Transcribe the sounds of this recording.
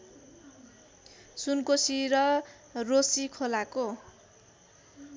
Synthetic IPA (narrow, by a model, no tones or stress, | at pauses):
sunkosiɾʌ | rosikʰolako